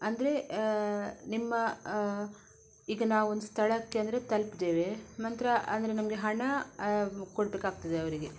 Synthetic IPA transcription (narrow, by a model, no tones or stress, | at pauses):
ɐnd̪ɐɾe̞ | nimːɐ | iːɡɐnaːʋuond̪ust̪ʰɐɭɐkːeɐnd̪ɾe̞t̪ɐlpid̪e̞ːʋe̞mɐnt̪ɾɐʔɐ̰nd̪ɐɾe̞nɐmɐɡe̞ɦɐɳɐ | koɽbeːkaːɡ̚t̪ɐd̪eɐʋɐɾiɡe̞